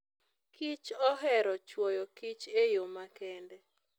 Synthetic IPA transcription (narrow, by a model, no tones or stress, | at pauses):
kit͡ʃɔɦɛɾɔt͡ʃwɔjɔkit͡ʃejomakɛndɛ